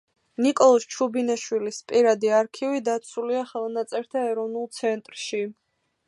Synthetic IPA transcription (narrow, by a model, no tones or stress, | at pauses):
nikʼɔlˠɔst͡ʃʰubinaʃwilispʼiɾad̪iaɾkʰivid̪at̪sʰuliaχɛlˠnat̪sʼɛɾt̪ʰaɛɾɔvnulˠt̪sʰɛnt̪ʼɾʃi